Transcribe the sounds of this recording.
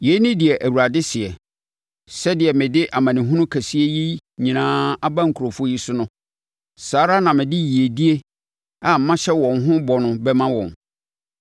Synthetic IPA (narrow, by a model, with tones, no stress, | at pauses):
je˨˦nɪ̃˦dɪ˨ɛ˨ʔæ˨wu˨a˨dɪ˦sɪ˨ɛ˨ | sɛ˦dɪ˨ɛ˨mɪ̃˨dɪ˦ʔa˨mã˨nɪ̃˨ɦʊ̃˦nʊ̃˦kʰæ˨si˦e˦ji˦ɲĩ˨nãː˦a˦bã˦ŋ̩˨kʰu˨ɾo˨fʊ˦o˦ji˦sʊ˦nʊ̃˦ | saː˨˦ɾa˦nã˨mɪ̃˨dɪ˦ji˨e˨di˦e˦ | a˨m̩˨˦mã˦ɕɛ˦wɔ̃˨ŋ˦ɦʊ̃˦bɔ˨nʊ̃˨bɛ˦mã˦wɔ̰̃˨n